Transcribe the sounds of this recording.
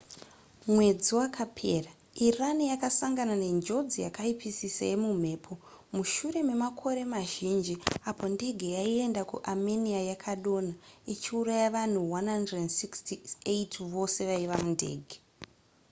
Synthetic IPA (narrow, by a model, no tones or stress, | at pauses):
mwe̞d͡ziwakʰapʰe̞ːra | iranijakasaŋɡanane̞nd͡ʒo̞d͡zijakaipʰisisa̰je̞mum̤e̞ːpʰo̞ | muʃuɾe̞me̞makʰo̞ɾe̞maʒind͡ʒiapo̞nde̞ɡʱejaie̞ndakṵʔameniajakʰaɗo̞nait͡ʃiurajaʋan̤uwanhandrensikstieitʋo̞se̞ʋaiʋamunde̞̰ːɡʱe